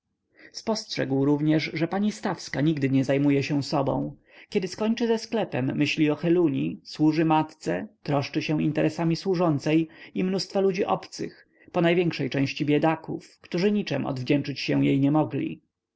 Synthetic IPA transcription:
spɔstʂɛɡwɾuvɲɛʐʐɛpaɲist̪afskaɲiɡd̪ɘɲɛzajmujɛɕɛsɔbɔ̰̃w̃ | kʲɛd̪ɘskɔɲt͡ʂɘzɛsklɛpɛmːɘɕlʲiɔxɛluɲiswuʐɘmat̪t̪sɛ̰t̪ɾɔʂt͡ʂɘɕɛw̃ḭnt̪ɛɾʔɛsamʲiswuʐɔnt̪sɛjimnust̪falud͡ʑiʔɔ̰pt̪sɘ̰x | pɔnajvʲjɛŋkʂɛjt͡ʂɛ̃w̃ɕt͡ɕibʲjɛd̪akufkt̪uʐɘɲit͡ʂɛ̰mʔɔ̰d̪vd͡ʑɛnt͡ʂɘt͡ɕɕɛw̃jḛjɲɛmɔɡlʲḭ

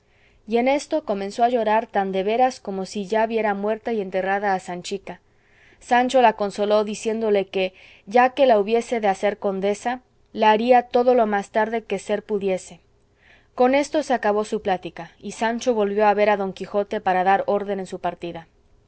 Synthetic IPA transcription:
ie̞ne̞st̪o̞ko̞mẽ̞nsoaʝo̞ɾaɾt̪and̪e̞βe̞ɾasko̞mo̞siʝaβje̞ɾamwe̞ɾt̪aie̞nt̪e̞raðaːsant͡ʃika | sant͡ʃo̞lako̞nso̞lo̞ðisje̞nd̪o̞le̞ke̞ | ʝake̞lauβje̞se̞ðe̞ase̞ɾko̞nd̪e̞sa | laːɾiat̪o̞ðo̞lo̞mast̪aɾðe̞ke̞se̞ɾpuðje̞se̞ | ko̞ne̞st̪o̞seakaβo̞suplat̪ikaisant͡ʃo̞βo̞lβjo̞aβe̞ɾaðo̞ŋkixo̞t̪e̞paɾaðaɾo̞ɾðe̞ne̞nsupaɾt̪iða

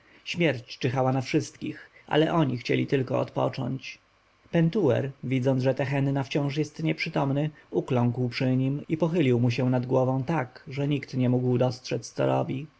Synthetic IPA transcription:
ɕmʲjɛɾt͡ɕt͡ʂɘxawanafʂɘst̪kʲixʔa̰lɛʔɔɲixt͡ɕɛ̰lʲit̪ɘlkɔɔ̰t̪pɔ̰t͡ʂɔ̰ɲt͡ɕ | pɛnt̪uwɛ̰ɾvʲid̪zɔnd̪ʐɛt̪ɛxɛnːaft͡ɕɔ̃w̃ʂ̬jɛst̪ɲɛpʂɘt̪ɔmnɘuklɔ̃ŋkwpʂɘɲimipɔxɘlʲiwmuɕɛnad̪ɡwɔvɔ̃w̃t̪akʐɛɲikt̪ɲɛmuɡwd̪ɔstʂɛst̪sɔ̰ɾɔ̰bʲi

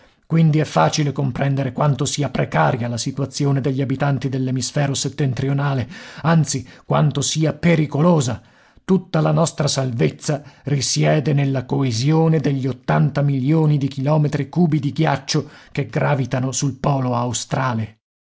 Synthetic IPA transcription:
kwind̪iɛfːaːt͡ʃilekompɾɛnd̪eɾekwant̪osiːapɾekaːɾjalasit̪uat̪sːjoːned̪eʎːiabit̪ant̪id̪elːemisfɛːɾoset̪ːent̪ɾionaːleant̪sikwa̰nt̪osiːapeɾikoloːza | t̪ut̪ːalanɔst̪ɾasalvet̪sːarisjɛːd̪enelːakoezjoːned̪eʎːiot̪ːant̪amiljoːnid̪ikilɔːmet̪ɾikuːbid̪iɡjat͡ʃːokeɡɾaːvit̪anosulpɔːloawst̪ɾaːle

